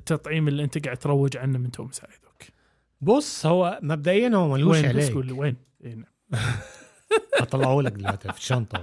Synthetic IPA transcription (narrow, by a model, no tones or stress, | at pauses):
t̪ːɑt̪ˤʕiːmɪlːiʔɪnt̪aɡaʕd̪̚t̪ɾˤɑwːɪd͡ʒʕanːamɪnt̪ʰoːmsa̰ːʕɪd̪ʊk | bʊsˤhʊwːamab̚d̪aʔɪjːanhuwːmaluweʃːʕabeːkulweːn | ʔeːnaʕm | ɑt̪ˤɑlɑʕuːlakɪlwat̪afi̥ʃɑnt̪ˤɑ̰